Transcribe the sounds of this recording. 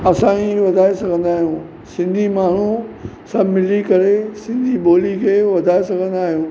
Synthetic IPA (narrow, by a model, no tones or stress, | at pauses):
ɐsãːiʋɐd̪ʱaːesɐɡʱə̃nd̪aːɦijũː | sɪ̃nd̪ʱimaːɳ̤u | sɐbʱmɪlikɐɾesɪ̃nd̪ʱiɓoːlikʰeːʋɐd̪ʱaːesɐɡʱə̃nd̪aːɦijũː